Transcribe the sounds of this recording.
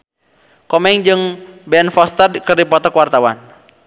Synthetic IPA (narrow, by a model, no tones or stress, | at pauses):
kɔmɛŋd͡ʒɨŋbɛnfɔst̪ərkərdipɔt̪ɔkwart̪awan